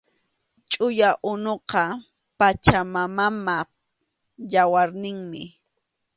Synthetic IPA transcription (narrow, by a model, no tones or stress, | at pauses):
t͡ʃʼʊjaʔʊnoqɑ | pat͡ʃamamama | jawaɾnɪŋmɪ